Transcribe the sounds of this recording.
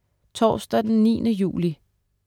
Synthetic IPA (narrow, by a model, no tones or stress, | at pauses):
t͡sʰɒ̰ːsd̥æd̥enːḭːnəjṵːli